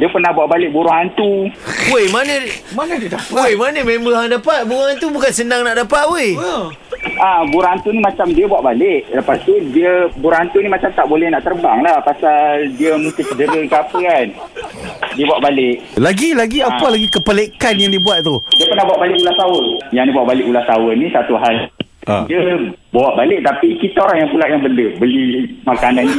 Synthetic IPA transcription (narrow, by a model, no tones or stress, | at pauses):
diəpərnahbuaʔbalɪʔ̚buɾʊŋɦant̪uwomanəmanədədapojmanəmembəɦaŋdapat̪̚buɾʊŋhant̪ubukansənaŋnaʔdapat̪̚wo | ʔabuɾaant̪unimat͡ʃamdiəbuaʔbalɪʔləpast̪udiəbuɾahant̪unimat͡ʃamt̪aʔbolɛhnaʔt̪ərbaŋlahpasaldiəmũst̪ɪsədəɾəkapəkan | diəbuaʔbalɪʔ | laɡilaɡiapalaɡikəpəlekanjaŋdiəbuatʔ̪̚t̪udiəpərnahbuwaʔbalɪʔulahsawəjaŋdibuaʔbalɪʔulahsawənĩsat̪uɦal | a̰diəbaaʔbalɪʔ̚t̪apikit̪aoɾaŋjaŋpulaʔjaŋbəndəbəlimakanan